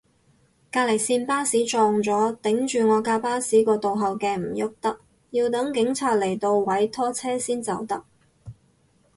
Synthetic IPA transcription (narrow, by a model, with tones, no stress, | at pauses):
kaː˧le˨˩jsiː˧npaː˥siː˨˥t͡ʃɔː˧ŋt͡sɔː˨˥t̪ɪ˨˥ŋt͡ʃyː˨ŋɔː˨˧kaː˧paː˥siː˨˥kɔː˧t̪o˨wɦɐ˨wkɛː˧m̩˨˩jʊ˥k̚t̪ɐ˥k̚ | ji˧wt̪ɐ˨˥ŋkɪ˨˥ŋt͡sʰaː˧t̚le˨˩jt̪o˧wwɐ˨˥jt̪ʰɔː˥t͡sʰɛː˥siː˥nt͡sɐ˨˧˥wt̪ɐ˥k̚